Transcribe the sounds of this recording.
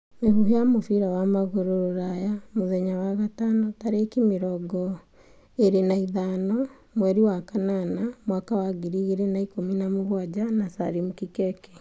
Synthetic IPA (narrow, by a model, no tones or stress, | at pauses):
mehuɦejamofiɾawamaɣoɾoɾoɾajamoðɛɲawaɣatanɔtaɾekimeɾɔɡɔ | eɾenaiðanɔ | mwɛɾiwakananamwakawaɣiɾiɣeɾenaikominamuɣwad͡ʑanasa̰ɾimukikɛkɛ